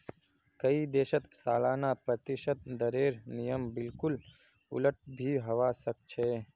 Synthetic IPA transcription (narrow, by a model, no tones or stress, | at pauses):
kəid̪eːʃət̪saːlaːnapɾət̪ɪʃət̪̚d̪əɾeːɾnijəmbɪlkʊl | ʊ̰ləʈ̚ʰbʱiɦɐʋasək̚t͡ʃʰeː